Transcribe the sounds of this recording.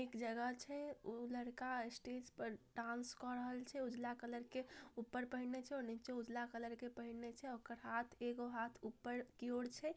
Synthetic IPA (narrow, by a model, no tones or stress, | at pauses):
ekd͡ʒəɡət͡ʃʰɛuləɽkasʈed͡ʒpəɾɖãnskɔɾəɦəlt͡ʃʰɛud͡ʒlakələɾkeupːəɾpəɦinet͡ʃʰɛɔnit͡ʃeud͡ʒlakələɾkepəɦinet͡ʃʰɛokəɾɦat̪ʰeɡoɦat̪ʰupːəɾkioɽt͡ʃʰɛ